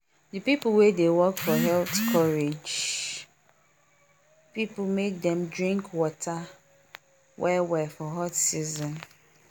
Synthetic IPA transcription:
dɨpipl̩wedewɔkfɔɦɛltkʰɔɹed͡ʒ | pipl̩mek̚dɛ̃mdɹĩŋkwɔtʰa | wʔɛwɛfɔɦɔtsizɔ̃n

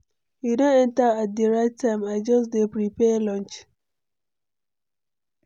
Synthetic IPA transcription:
jidõɛ̃ntaat̚diɹaɪtʰːãɪ̃maɪd͡ʒɔsdepɾipɛlɔ̃nt͡ʃ

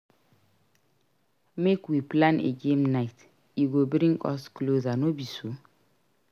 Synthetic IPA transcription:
mekwiplãnḛɡemnaɪt | juɡobɾĩŋɡɔsklozanobiso

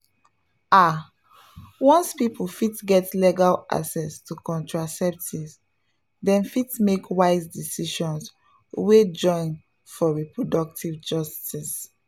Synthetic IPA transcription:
a | wɔ̃nspiplfitɡɛtlɛɡala̰ksɛstʰukɔ̃ntɹasɛp̚tis | dɛ̃nfitmekwaɪzdisiʃɔ̃ns | wed͡ʒɔ̃ɪ̃n | fɔɹipɹodɔk̚tʰivd͡ʒɔstis

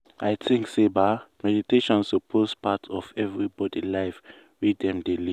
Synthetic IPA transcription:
ajtʰĩŋksebamɛditeʃɔ̃nsopʰospʰatʰɔvɛvɹibɔdilaɪf | widɛ̃mdeli

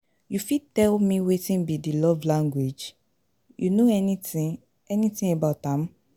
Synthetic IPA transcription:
jufitɛlmĩwetĩnbidilɔvlãŋɡwed͡ʒ | junoɛni | ɛnĩtĩebaʊtãm

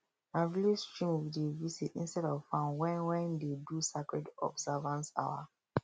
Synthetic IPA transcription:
avilistɹĩmwidevisitĩnstɛdɔvfãnwɛ̃nwɛ̃ndedusakɹɛdɔ̰bzavãnsa̰ʊa̰

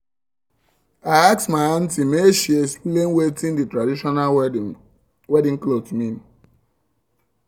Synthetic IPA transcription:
aɪaksmaãntimeʃiesplenwetĩnditɾadiʃɔna | wɛdĩŋklotmĩn

